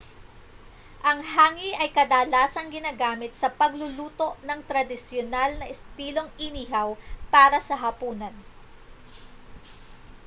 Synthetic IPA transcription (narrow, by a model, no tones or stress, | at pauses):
ʔɐŋhaːŋiʔɐjkɐd̪alaːsɐŋɡɪnaːɡaːmɪt̪̚sɐpɐɡlʊluːt̪o̞ʔnɐŋt̪ɾɐd̪ɪsjonalnɐʔɛst̪iːlo̞ŋɪniːɦɐwpaːɾɐsɐɦɐpuːnɐn